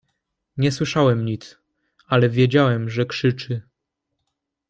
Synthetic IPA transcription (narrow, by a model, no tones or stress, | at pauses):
ɲɛswɘʂawɛmɲit̪s | alɛvʲjed͡ʑawɛmʐɛkʂɘt͡ʂɘ